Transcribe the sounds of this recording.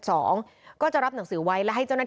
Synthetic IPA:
sɔː˩˦ŋ | kɔː˥˩t͡ɕa˨˩ɾa˥p̚na˩˦ŋsɯː˩˦wa˦˥jlɛ˦˥ɦa˥˩jt͡ɕa˥˩wna˥˩

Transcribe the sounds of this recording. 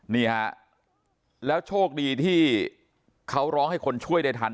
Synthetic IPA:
niː˥˩ha˦˥ʔ | lɛː˦˥wt͡ɕʰoː˥˩k̚diː˧t̪ʰiː˥˩ | kʰa˦˥wɾɔː˦˥ŋha˥˩jkʰo˧nt͡ɕʰu˥˩əjda˥˩t̪ʰa˧n

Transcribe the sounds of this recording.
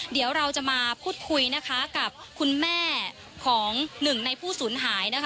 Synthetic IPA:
di˨˩˦wɾa˧wt͡ɕa˨˩maː˧pʰuː˥˩t̪̚kʰu˧jna˦˥kʰa˦˥ka˨˩p̚kʰu˧nmɛː˥˩ | kʰɔː˩˦ŋnɯ˨˩ŋna˧jpʰuː˥˩suː˩˦nɦaː˩˦jna˦˥kʰ

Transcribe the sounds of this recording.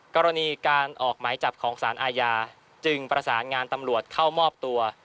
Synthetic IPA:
kɔː˧ɾa˧niː˧kaː˧nʔɔː˨˩k̚maː˩˦jt͡ɕa˨˩p̚kʰɔː˩˦ŋsaː˩˦nʔaː˧jaː˧ | t͡ɕɯ˧ŋpɾa˧saː˩˦nŋaː˧nt̪a˧mɾu˨˩ət̪̚kʰa˥˩wmɔː˥˩p̚t̪u˧ɐ

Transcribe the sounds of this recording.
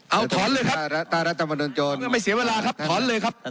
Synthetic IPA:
ʔa˧wt̪ʰɔː˩˦nlɤː˧jkʰa˦˥aː˥˩ɾa˦˥t̪̚ʰːa˧ma˧nuː˧nt͡ɕoː˧n˧˩˨ma˧˩jsi˩˦weː˧laː˧kʰa˦˥p̚t̪ʰɔː˩˦nlɤː˧jkʰa˦˥p̚

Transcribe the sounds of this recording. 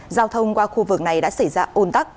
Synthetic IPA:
zaː˧wt̪ʰə˧wŋ͡mkwaː˧xu˧vɨ˨˩k̚na˨˩jɗa̰ː˧˥sa˧˩jzaː˧ʔo˧nt̪a˦˥k̚

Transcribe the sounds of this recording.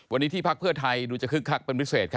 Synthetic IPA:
wa˧nːiː˦˥t̪ʰiː˥˩pʰa˦˥k̚pʰɯ˥˩ɐt̪ʰa˧jduː˧t͡ɕa˨˩kʰɯ˦˥kʰːa˦˥˩k̚pe˧nwi˦˥t̚seː˨˩t̪̚kʰ

